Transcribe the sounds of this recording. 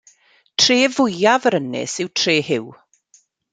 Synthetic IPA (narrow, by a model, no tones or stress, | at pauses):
tʰreːvʊjavəɾənɪ̰sɪwtʰreːhɪw